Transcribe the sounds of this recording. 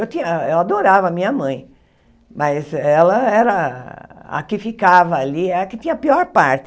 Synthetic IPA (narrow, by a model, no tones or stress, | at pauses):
ewt̪ĩɲɐewad̪oɾavɐmĩɲɐmɐ̃j̃ | mɐzɛlɐɛɾɐ | a̰kɪfikavɐːliɛɾɐkɪt̪ĩɲɐpiɔɾpaɾt̪